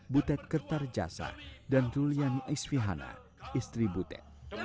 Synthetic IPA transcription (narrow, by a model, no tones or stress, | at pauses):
but̪ɛt̪̚kərt̪ard͡ʒa̰sa̰dantulianiʔɛsfiɦana̰ | ist̪ɾibut̪ɛ̰t̪̚